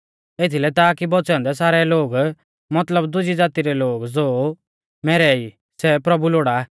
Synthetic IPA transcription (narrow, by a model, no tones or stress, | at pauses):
et̪ʰilɛt̪aːkibɔt͡sɛ̃nd̪ɛs̬aːɾɛloːɡ | mɐt̪ləbd̪ʊd͡ʒid͡zaːt̪iɾɛloːɡd͡zoː | mɛɾɛi | sɛpɾɐbuloːɽa